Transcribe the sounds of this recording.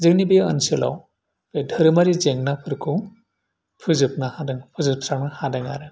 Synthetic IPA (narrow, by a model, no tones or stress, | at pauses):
zɯknibejə̰nsɯla̰w | bedʱɯɾɯmaɾizeŋnapʰɯɾkʰu | pʰɯzɯp̚nahadɯŋpʰɯzɯp̚tʰɾanahadɯŋaɾɯ